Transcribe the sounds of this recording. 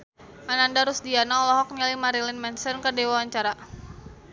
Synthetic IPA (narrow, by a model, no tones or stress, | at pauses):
ʔanandaɾʊsdianaɔlɔɦɔk̚ɲalimaɾilɪnmɛnsənkərdewawaɲt͡ʃaɾa